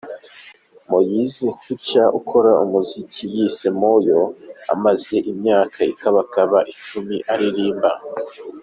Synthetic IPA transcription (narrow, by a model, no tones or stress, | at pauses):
mojizit͡ʃucaʔṵkʰo̞ɾaumuzicijisemojo̞a̰maze̞ʔimɲaːkʰaikaβakaβaʔit͡ʃumiʔaɾiɾiːmba